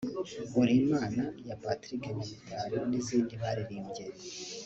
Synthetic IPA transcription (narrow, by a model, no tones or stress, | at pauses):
uɾimaːnajapatɾikemiβitʰaɾoniziːndiβaɾiɾiːmɟeɾe